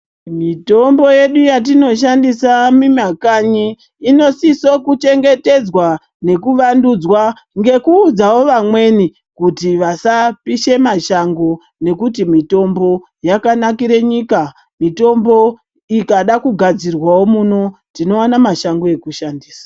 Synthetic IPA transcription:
mito̞mbo̞je̞ɗujat̬ino̞ʃ̬andisamimakaɲiː | no̞sisokut͡ʃe̞ŋɡe̞te̞d͡zwa | ne̞kuʋandud͡zwa | ŋɡe̞kuːd͡zawo̞ʋamwe̞ni | kutiʋasapiʃe̞maʃaŋɡo̞ | ne̞kutimito̞mbo̞ | jakanakiɾe̞ɲika | mito̞mbo̞ | ikaɗakuɡʱad͡zirwawo̞muno̞tino̞anamaʃaŋɡo̞e̞kuʃandiːsḁ

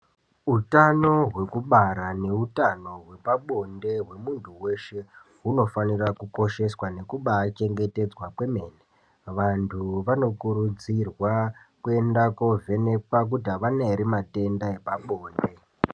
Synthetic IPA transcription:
utano̞ɦwe̞kuɓaɾane̞utano̞ɦwe̞paɓo̞nde̞ɦwe̞muntʰuwe̞ʃe̞ɦuno̞fanirakuko̞ʃe̞swane̞kuɓat͡ʃe̞ŋɡe̞te̞d͡zwakwe̞me̞ːne | ʋantʰuʋano̞kuɾud͡zirwa | kue̞ndako̞vʱe̞ne̞pak̬utaʋaneɾimate̞ndae̞paɓo̞ːnde̞

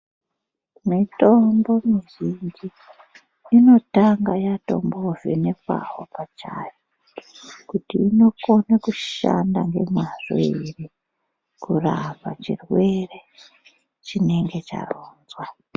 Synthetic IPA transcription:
mito̞mbo̞miʒind͡ʒiː | no̞taŋɡajato̞̰mbo̞vḭnepa̰ɦo̰pat͡ʃa̰ːjo | kutiːno̞ko̞nakuʃa̰ndaŋɡe̞mwaʐ̥oiri | kuraβat͡ʃirwe̞re | t͡ʃine̞ŋɡe̞t͡ʃa̰roːnzwa

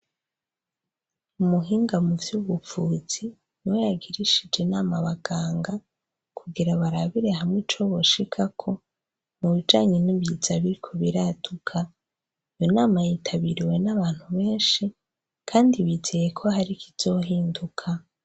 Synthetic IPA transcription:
umuɦiːŋɡamuvjuβufuːz̥i | niwe̞jaɡiɾiʃid͡ʒenaːmaβaɡ̥aːŋɡa | kʰuɡiɾaβaɾaβiɾe̞ɦamŋit͡ʃo̞βo̞ʃikʰakʰo̞ | muβid͡ʒaːɲeniβjizaβiɾikʰo̞βiɾatukʰa | ijonaːmajitʰaβiɾiwe̞naβaːn̥huβe̞ːnʃi | kʰaːndiβizeje̞kʰo̞haɾikʰiz̥o̞ɦiːndukʰa

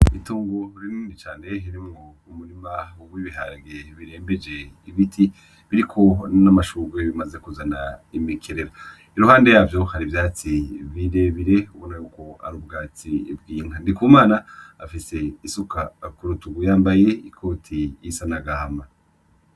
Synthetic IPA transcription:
ituːŋɡoɾiniːndit͡ʃaːne̞iɾimŋo̞ | umuɾimawuɡwiβiɦa̰ɡeβiɾe̞ːmbed͡ʒe̞iβitʰi | βiɾikʰo̞namaʃuːɡweβimaze̞kuzanaimikʰeɾeɾa | iɾuhaːnde̞jaːvjo̞haɾivjaːt͡siβiɾeβiɾe̞uβo̞najuːko̞a̰ɾub̚ɡaːt͡sib̚ɡiːŋ̥handikumaːna̰ːfise̞isukakuɾutuɡujaːmbaje̞ikʰo̞ːtʰijisanaɡahama

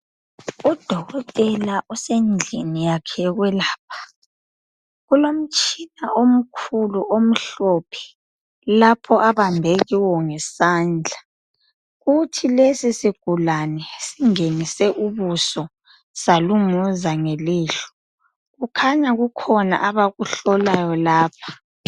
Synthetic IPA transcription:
ud̥ʱɔɣɔtʼɛlaʔusend͡ɮʱinijakʰɛɣwɛlaːp̚ʰḁ | ɣulom̩t͡ʃʼinaʔom̩kʰuluʔom̩ɬopʰɛ̥ | lapʰɔʔaβambʱeɣiwɔŋɛsaːnd͡ɮʱa | ɣutʰilesisiɡ̥ʱulanɛsiŋenisɛʔuβusɔ | saluŋuzaŋeliːɬɔ̥ | ɣukʰaɲaɣukʰɔna̰ʔaβaɣuɬɔlajɔlaːpʰḁ

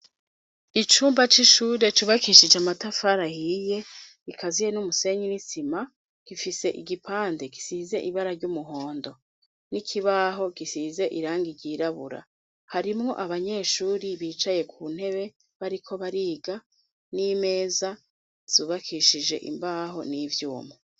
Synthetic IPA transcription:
it͡ʃuːmbat͡ʃiʃuːɾe̞t͡ʃuːβakiʃid͡ʒeamatafaɾahije̞ | ikʰazije̞numuse̞ɲinisima | ɡ̥ifise̞ʔiɡipaːnde̞ɡi̥size̞̰ʔiβaɾaɾɟumuɦo̞ːndo̞ | nikʰiβaɦo̞ɡisize̞ʔiɾaːŋɡiɾɟiːɾaβṵɾa̰ | haɾimŋo̞̰ʔaβaɲe̞ːʃuːɾiβiːt͡ʃaje̞kʰuːn̥he̞βe̞ | βaɾikʰo̞βaɾiːɡa | niːme̞ːza | z̥uːβakʰiʃid͡ʒe̞̰ʔḭmbaɦo̞̰nivjuːme

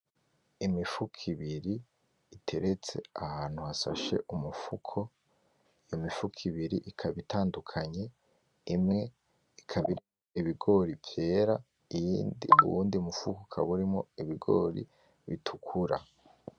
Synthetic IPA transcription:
imifukʰiβiɾiː | tʰe̞ɾe̞t͡se̞̰ahaːn̥huhasa̰ʃe̞̰ʔumufukʰo̞ | ijomifukʰiβiɾiʔikʰaβitʰaːndukʰaɲe̞ | imŋe̞ | ikʰaβiɾimoiβiɡo̞ːɾivje̞ːɾa | ijindḭṵuːndimufukokʰaβuɾimo̞̰iβiɡo̞̰ːɾḭ | βitʰukʰuɾa̰

